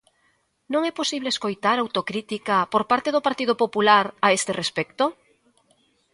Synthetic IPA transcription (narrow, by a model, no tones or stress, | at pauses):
nõŋɛposiβleeskojt̪aɾawt̪okɾit̪ikapoɾpaɾt̪eðopaɾt̪iðopopulaɾaest̪erespɛk̚t̪o